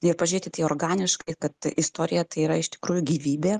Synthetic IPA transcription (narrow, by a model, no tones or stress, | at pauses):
ɪɾpɐʒʲʊɾʲeːt̪ʲɪt̪ɐɪoːrɡɑːnʲɪʃkɐɪkɐt̪ɪst̪oːɾʲɪjɛt̪ɐɪiːɾɐɪʃt̪ʲɪkɾuːjʊɡʲiːʋʲiːbʲeː